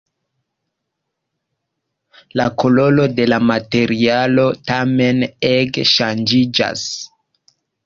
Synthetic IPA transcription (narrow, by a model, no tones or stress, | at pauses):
lako̞lo̞lo̞de̞lamate̞ɾialo̞tame̞nekʃand͡ʒid͡ʒa̰s